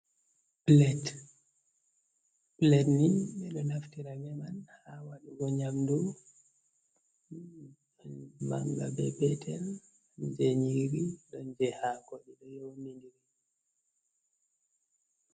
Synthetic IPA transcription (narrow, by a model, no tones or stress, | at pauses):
plɛt | plɛtniɓɛɗɔnaftiɾaɡɛmanhawaɗuɡɔɲamdu | ma̰ŋɡa̰bɛbɛtʰɛl | d͡ʒeɲiɾiɗɔnd͡ʒɛhakoɗiɗɔjownindiɾi